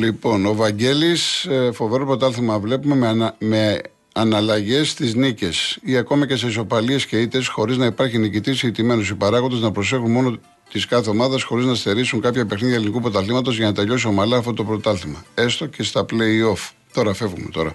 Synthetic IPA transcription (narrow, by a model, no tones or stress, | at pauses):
lipo̞novɐɲɟe̞lisfo̞ve̞ɾo̞pɾo̞t̪ɐlθimɐvle̞pume̞mme | ɐnɐlɐʝe̞st̪iznice̞siɐko̞mɐce̞s̬e̞iso̞pɐlie̞sce̞it̪esxo̞ɾiznɐipɐɾçinicit̪isiit̪ime̞nosipɐɾɐɣond̪e̞znɐpɾo̞se̞xunmo̞no̞ | t̪iskɐθe̞o̞mɐðɐsxo̞ɾiznɐst̪e̞ɾisuŋkɐpçɐpexniielinikupɾo̞t̪ɐlθimɐt̪ozʝɐnɐt̪eʎo̞s̬iomɐlɐːft̪ot̪opɾo̞t̪ɐlθimɐe̞st̪o̞ce̞st̪ɐple̞io̞f | t̪o̞ɾɐfe̞vɣume̞t̪o̞ɾɐ̰